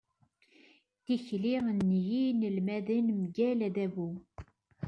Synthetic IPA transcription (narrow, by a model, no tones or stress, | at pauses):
t̪içliʁənːjinəlmæðənmɡælæðævu